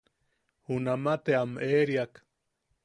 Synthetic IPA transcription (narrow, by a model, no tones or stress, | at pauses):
hunamat̪eameːɾjak